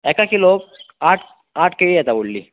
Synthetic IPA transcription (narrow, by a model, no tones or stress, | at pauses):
ekakiloːkaːʈ | aːʈʰkeijɛt̪auɭːi